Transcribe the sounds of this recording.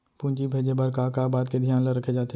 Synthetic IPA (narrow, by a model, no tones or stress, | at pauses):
pũːnt͡ʃibʱeːd͡ʒebəɾkaːkaːbaːd̪ked̪ʱijaːnləɾɐkʰed͡ʒaːt̪e